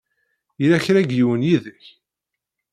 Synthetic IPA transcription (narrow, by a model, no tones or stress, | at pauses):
jilæçɾæɡjiwənjiðəç